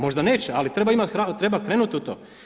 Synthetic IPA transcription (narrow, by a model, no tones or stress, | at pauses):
mo̞ʒd̪ane̞ːt͡ɕealit̪ɾe̞baimat̪xɾat̪ɾe̞bakɾeːnut̪iut̪oː